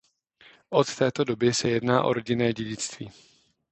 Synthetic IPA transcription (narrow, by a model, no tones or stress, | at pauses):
ʔot̪ːɛːt̪o̞do̞bɪsɛjɛdnaːʔo̞̰ɾo̞ɟɪnɛːɟɛɟɪt͡st̪viː